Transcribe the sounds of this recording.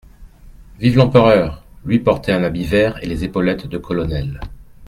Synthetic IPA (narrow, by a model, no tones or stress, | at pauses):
vivlɑ̃pəʁœʁlɥipɔʁt̪eɛ̃nabivɛʁelezepɔlɛt̪d̪əkʰɔlɔnɛl